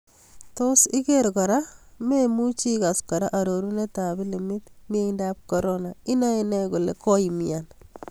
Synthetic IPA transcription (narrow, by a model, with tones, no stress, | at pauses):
to˦sɪ˦ke˦ɾkɔ˨ɾa˦me˦mu˦t͡ʃi˦ka˨skɔ˨ɾa˦ʔa˨ɾo˨ɾu˦ne˦ta˨bi˦li˨mɪ˦t̪m˦e˦indap̚ko˦ɾonaɪ˦na˦i˦nɛ˦ku˨lḛ˨kɔ˦imian